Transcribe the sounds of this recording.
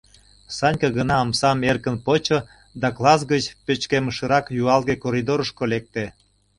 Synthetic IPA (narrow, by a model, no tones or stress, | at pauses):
sɑnʲkɑɣənɑːmsɑmerkənpot͡ɕo | d̪ɑklˠɑs̬ɡət͡ɕpøt͡ɕkeməʃə̆ɾɑkjuɑlˠɣekoɾʲid̪oɾəʃkolek̚t̪e